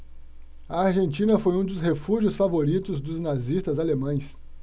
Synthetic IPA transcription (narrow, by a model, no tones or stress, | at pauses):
ɐaɾʒẽnt͡ʃĩnɐfojũd̪ʊshefuʒiʊsfavoɾit̪ʊzd̪ʊznazist̪ɐzalemɐ̃j̃s